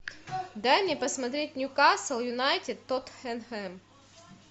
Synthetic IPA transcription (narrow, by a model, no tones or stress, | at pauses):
d̪ajmnʲepɐsmɐt̪ɾʲet̚ʲnʲʊkasəlˠjʊnajtʲɪd̪̚t̪ːot̪xɛnxɛm